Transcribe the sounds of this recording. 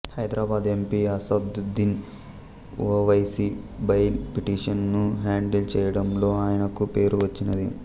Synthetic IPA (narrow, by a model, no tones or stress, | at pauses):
hɐjd̪ɾaːbaːd̪empiɐsɐb̚d̪d̪in | ṵɐʋɐjsibɐjlpiʈiːʂɐnːuɦaːɳɖilt͡ɕeːjɐɽɐmlo̞ːaːjɐnɐkːupe̞ːɾuʋɐt͡ɕːunːɐd̪ḭ